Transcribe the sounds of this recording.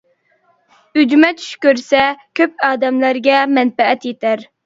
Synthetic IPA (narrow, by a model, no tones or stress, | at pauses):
yd͡ʒmɛt̪t͡ʃʰy̥ʃkʲøɾsɛkʲʰøp̚ɑːd̪ɛmlæɾɡʲɛmɛnfɛɛt̪jet̪æɾ